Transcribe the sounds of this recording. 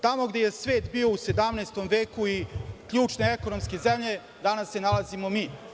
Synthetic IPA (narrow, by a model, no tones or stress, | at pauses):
t̪amo̞ɡd̪eje̞sʋe̞ːt̪biːo̞use̞d̪amneːst̪omʋe̞ːkuikʎuːt͡ʃneekonomske̞zemʎe̞ | d̪anasːe̞nalˠazimo̞miː